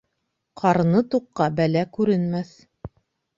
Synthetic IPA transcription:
qʰɑɾɤnɤt̪uqːɑbælækʉɾɘ̆nmæθ

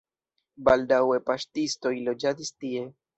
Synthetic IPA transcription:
baldawe̞paʃtisto̞jlo̞d͡ʒadistie̞

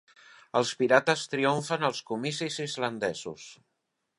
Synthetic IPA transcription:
əlˠspiɾat̪əst̪ɾiuɱfənəlˠskumisizizlənd̪ɛzṵs

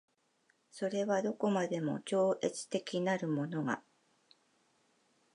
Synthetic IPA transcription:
so̞ɾe̞βad̪o̞ko̞mad̪e̞mo̞̰t͡ɕo̞ːʔe̞t͡sɨ̥t̪e̞kʲinaɾɯ̟mo̞no̞ɡa̰

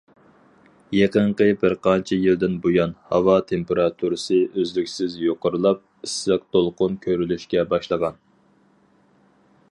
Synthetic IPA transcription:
jeqəɴqəbɪɾqʰɑnt͡ʃʰijild̪ɪnbojɑnhɑwɑt̪ʰempeɾɑt̪ʰuɾɨsɨʔøzlykʲsɪzjoqʊɾɨlˠɑp̚isːɑq̚t̪ʰolˠqʊnkʲʰøɾylyʃkʲɛbɑʃlˠəʁɑn

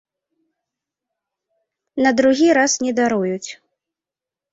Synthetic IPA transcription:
nɐd̪ɾuɣʲiɾasnʲɛd̪aɾujut͡sʲ

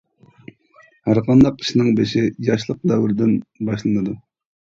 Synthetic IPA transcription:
hæɾqʰɑnd̪ɑqʰi̥ʃnɨŋbeʃɪjɑʃlˠəq̚d̪ɛwɪɾɪd̪ɪnbɑʃlˠɨnɨd̪u

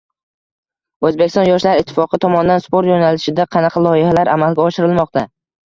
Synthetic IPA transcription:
ɵzbekʲɪsɒnjɒʃlaɾɪt̪ʰːɪ̥fɒqʰɨt̪ʰɒmɒnd̪anspoɾt̪jonalɪʃɪd̪aqʰɑnɑqʰɑlˠɒjɪhalaɾʔamalɡʲaɒʃɪɾɪlˠmɒq̚t̪a

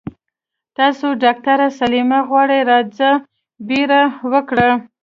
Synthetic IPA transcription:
t̪ɑsoɖɑk̚t̪aɾasalimaɣwɑɽəjɾɑd͡za | beɾawəkɽa

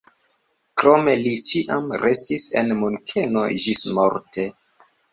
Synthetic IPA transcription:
kɾo̞me̞lit͡ʃiʔamɾe̞stisḛnmuŋkʰe̞no̞̰d͡ʒismo̞ɾte̞

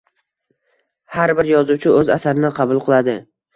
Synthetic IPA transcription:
haɾbɪɾjɒzuwt͡ʃʰɪɵzasaɾɪnɪqʰɑbʊlˠqʰɨlˠad̪ɪ

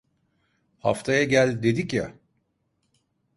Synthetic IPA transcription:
ha̰ft̪ʰajaɟælʲd̪e̞d̪icja̰

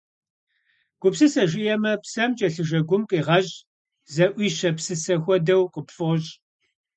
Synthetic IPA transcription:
ɡ̥ʷʊpsɨsɐʒɪjɛmɐpsɐmt͡ʃʼɐɬɨʒɐɡʷʊmqʼiːʁɐʑʼ | zɐʔʷiːʃɐpsɨsɐxʷɔdɐwqʼəpfɨʁɕʼ

